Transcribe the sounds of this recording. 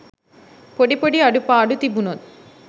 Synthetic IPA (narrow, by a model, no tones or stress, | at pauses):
poɽipoɽiɐɽupːaːɽut̪ibunot̪